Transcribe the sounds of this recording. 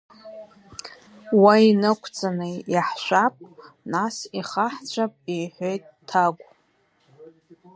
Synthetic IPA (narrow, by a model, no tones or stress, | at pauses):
wainɨkʷʰt͡sʼanɨjaħʃʷapʼ | nasiχaħt͡ɕʷʰapʼijħʷojtʼːʰaɡʷʼ